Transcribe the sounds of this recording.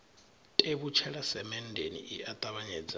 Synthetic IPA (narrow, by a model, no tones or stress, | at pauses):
tʼeβut͡ʃʰɛɺasɛmɛndʱenḭʔiat̪ʼaβaɲɛd͡za